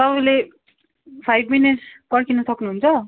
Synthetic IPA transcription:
t̪ʌbʌjle | pʰajbʱminiʈspʌrkinusʌknuɦunt͡sʰʌ

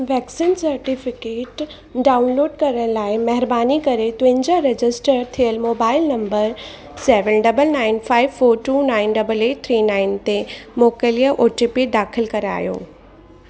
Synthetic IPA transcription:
ʋɛːksiːnsɐɾʈifɪkeːʈ | ɖaːʊnloːɖkɐɾəɽ̃laːɪmɐɦɪɾbaːnikɐɾet̪ʊʋɪ̃ɲd͡ʑaɾed͡ʑɪsʈəɾt̪ʰijəlmoːbaːɪlnɐ̃mbəɾ | sɛːʋənɖɐbəlnaːɪnfaːɪʋfoːɾʈuːnaːɪnɖɐbəleːʈ̚t̪ʰɾiːnaːɪnt̪emoːkəlijəʔoːʈipid̪aːxʰɪlkɐɾa̰ːjo̰ː

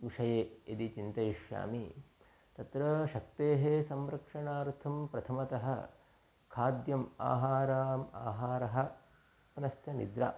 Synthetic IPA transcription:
ʋiʂɐjeːid̪it͡ʃint̪ɐjiʂja̰ːmi | t̪ɐt̪ɾɐʃɐk̚t̪eːɦesɐmɾɐkʂɐɳaːɾt̪ʰɐmpɾɐt̪ʰɐmɐt̪ɐɦɐ̆ | kʰaːd̪jɐma̰ːɦaːɾaːma̰ːɦaːɾɐɦɐ̆ | pnɐst̪ʰɐnḭd̪ɾa̰ː

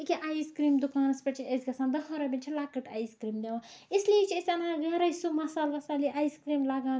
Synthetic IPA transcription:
ikʲiʔajskɾiːmd̪ukaːnɐspɐʈt͡ʃʰiezʲɡɐsãːnd̪ɐɦɐɾɐbʲinʲt͡ʃʰilakɐʈaːjskɾiːmd̪eʋãislijet͡ʃʰiesʲɐnaɡɐɾɐjsumɐsaːlʋɐsaːliʔaːjskɾiːmlaɡãː

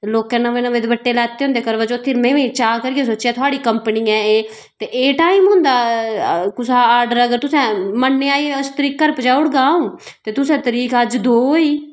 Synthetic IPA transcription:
loːkɛ̃ːnəʋẽːnəʋeːd̪ebəʈːeːlɛːt̪ːeːɦõnd̪eːkəɾʋaːt͡ʃoːt̪ʰːɪːɾmẽːʋẽːt͡ʃaːkəɾiːeːsoːt͡ʃːaːt̪ʰʊaːɽiːkəmpniːɛ̃ːeː | t̪eːʔeːʈaːiːmɦʊ̃ːnd̪aː | kʊsaːaːɾɖəɾəɡəɾt̪ʊsɛ̃ːmənːẽːaːiʊst̪əɾiːkːəɾpət͡ʃaːʊɽɡaːõː | t̪eːt̪ʊsɛ̃ːt̪əɾiːkəd͡ʒd̪oːiː

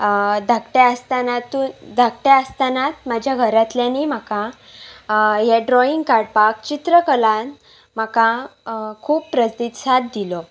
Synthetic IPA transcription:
d̪ʱakʈeəst̪anat̪ud̪ʱakʈaəst̪anat̪mad͡ʑʱjaɡʱəɾat̪ljanim̤akã | jeɖɾɔiŋɡkaɽpak̚t͡ɕit̪ɾəkəlan | m̤akãkʰuːppːɾəsd̪it̪sat̪̚d̪ilɔ

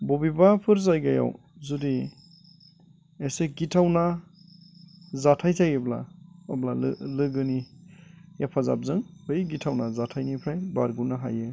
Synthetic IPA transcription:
bɔbibapʰɯɾzajɡaja̰w | zudi | eseɡitʰawna | zatʰajtʰajɯbla̰ɔblal̰lɯɡɯni | japʰaza̰p̚zɯŋbɯjɡitʰawnazatʰajnipʰɾajbaɾɡunaɦajɯ

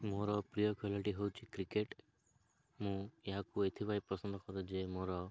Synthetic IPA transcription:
moɾɔpɾijɔkʰelɔʈiɦowt͡ʃʰikɾikeʈ | mũjeɦakuet̪ʰibajpɔsɔnd̪ʱɔkɔɾud͡ʒemoɾɔ

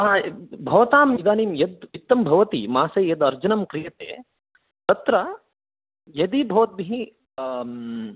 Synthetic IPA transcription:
abʱɐʋɐt̪aːmid̪aːniːmjɐd̪it̪ːɐmbʱɐʋɐt̪ḭmaːsɐːjɐd̪ɐɾd͡ʒunɐmkɾijɐt̪ḛː | t̪ɐt̪ɾɐ | jɐd̪iːbʱɐʋɐt̪̚biɦi

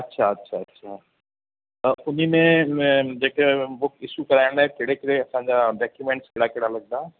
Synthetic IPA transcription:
ɐtːʃʰaɐtːʃʰaɐtːʃʰa | ʊnɦimẽd͡ʒeːkeʋoɪsukɐɾaːẽnd̪aɛkeɽekɪɽeɐsãːɲd͡ʒaɖaːkjumẽɳʈskɪɽakɪɽalɐɡ̚d̪aː

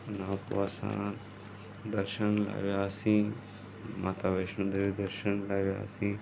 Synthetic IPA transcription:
ʊnãːpo̰ɐsã̰ | d̪ɐɾʃənla̰ʋjaːsĩː | mat̪aʋeʃnũːd̪eid̪ɐɾʃənlaʋja̰ːsĩ

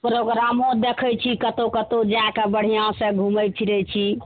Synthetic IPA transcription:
pɾoɡɾamõd̪ekʰəjt͡ʃʰikət̪okət̪od͡ʒakebəɽ̤ijãsə̃ɡʱuməjt͡ʃʰiɾɛt͡ʃʰi

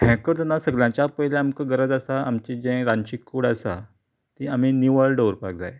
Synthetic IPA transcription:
hʰɛ̃kəɾt̪ənasəɡljãt͡ɕapəɦlɛ̃amkəɡəɾəd͡zasaamt͡ɕid͡ʑɛ̃ɾãɲt͡ɕikːuɽasa̰ | t̪ĩaminiʋəɭɖowɾpak̚d͡za̰je

